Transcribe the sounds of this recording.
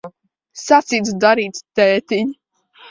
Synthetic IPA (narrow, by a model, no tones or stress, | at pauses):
sat̪siːt̪d̪aɾiːt̪st̪ɛːt̪iɲ